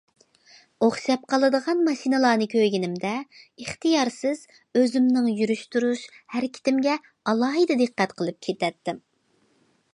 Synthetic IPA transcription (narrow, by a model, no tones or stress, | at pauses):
oχʃɑp̚qʰɑlˠɨd̪əʁɑnmɑʃinɨlˠɑːnɨkʲʰøɡʲinɪmd̪ɛəχt̪ɨjɑɾsɪz̥ | øzymnɪŋjyɾyʃt̪uɾuʃhæɾkʲʰi̥t̪ʰɪmɡʲɛ | ɑlˠɑːɦɨd̪ɨd̪ɨqːɛt̪qʰəlˠɨp̚kʲʰet̪ɛt̪ːɪm